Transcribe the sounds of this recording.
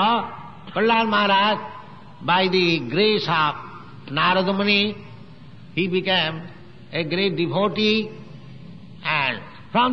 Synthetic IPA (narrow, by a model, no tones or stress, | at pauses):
ɔ | pəlaːɾmaɦaɾaːd͡ʒ | baɪd̪iɡɾeːsaf | naːɾəd̪məni | hibikẽːm | eɡɾeːʈ̚ɖiʋoːʈi | ɛ̃ɳ | fʰɾɔ̃m